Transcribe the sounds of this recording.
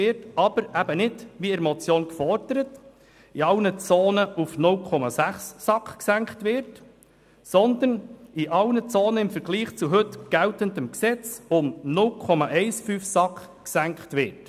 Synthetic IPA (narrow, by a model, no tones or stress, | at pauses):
ɪɾtɑb̥əɾæb̥ənɪdʋiɪɾmɔt͡sjoːnkfɔɾd̥əɾət | iɑlnət͡soːnəʔufnʊlkʰɔmɑsæχsːɑkχksæŋkχtʋɪɾt | sɔnd̪əniʔɑlnət͡soːnəɪmfəɾɡ̥liːχt͡suɦɵtɡ̥æltənd̪əmksɛt͡sʊmnʊlkʰɔmɑʔɛɪsfyːfsɑkχ | ksæŋktʋɪɾt